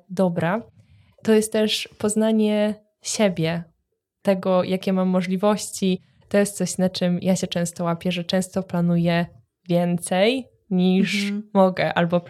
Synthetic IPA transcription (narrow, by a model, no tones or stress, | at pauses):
d̪ɔbɾa | t̪ɔjɛst̪t̪ːɛʂpɔznaɲɛ | ɕebʲjɛ | t̪ɛɡɔjʔakʲɛmamːɔʐlʲivɔɕt͡ɕi | t̪ɔjɛst̪sɔɕnat͡ʂɨmjʔaɕɛt͡ʂɛ̃w̃st̪ɔwapʲjɛʐɛt͡ʂɛ̃w̃st̪ɔplanujɛ | vʲjɛnt̪sɛj | ɲiʂmɔɡɛʔa̰lbɔ